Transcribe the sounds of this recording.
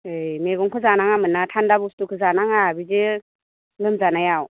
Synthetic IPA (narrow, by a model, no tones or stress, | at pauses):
ɯjmeɡɔŋkʰɯzanaŋamɯnːatʰandabustukʰɯzanaŋabize | lɯmzanajaw